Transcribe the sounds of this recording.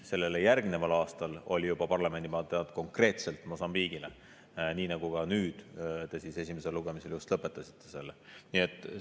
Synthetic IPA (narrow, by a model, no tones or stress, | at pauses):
se̞lːe̞lejærɡ̥mine̞vɑlɑːst̪ɑlo̞̰lʲijub̥ɑpɑrlɑme̞nʲd̪̥imɑt̪ːˑed̪̥ko̞ŋkre̞ːt̪se̞lt̪ːˑmo̞sɑmbiːɡ̥ile | niːnɑɡ̥uɡ̥ɑnyːd̪̥t̪e̞sise̞sʲimese̞luɡe̞mise̞ljust̪lɤpːˑe̞t̪ːˑɑsi̥t̪ːˑe̞se̞lːenie̞t̪ˑː